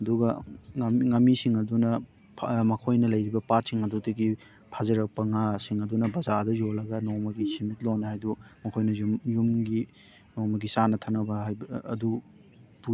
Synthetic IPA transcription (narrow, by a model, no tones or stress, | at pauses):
ɐduɡɐŋmŋɐmːisiŋɐdunɐ | pʰmɐkʰojnɐlɐjɾibɐpat̚siŋɐdudɐɡi | pʰazɐɾɐk̚pɐŋasiŋɐdunɐbɐzadɐjolɐɡɐnoŋmɐɡisimit̚lonːɐhajdumɐkʰojnɐjumjumɡi | noŋmɐɡisanɐtʰɐnɐbɐɦajb̰ːdu | tu